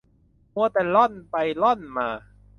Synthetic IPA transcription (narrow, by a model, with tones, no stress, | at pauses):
mu˧ət̪ɛː˨˩lɔ˥˩npa˧jlɔ˥˩˨nmaː˧